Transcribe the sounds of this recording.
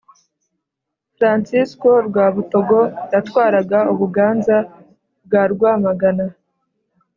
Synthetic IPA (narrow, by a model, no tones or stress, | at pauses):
fɾansisko̞ɾɡwaːβuto̞ɡo̞ɾatwaːɾaɡauβuɡaːnza | b̚ɡaːɾɡwaːmaɡana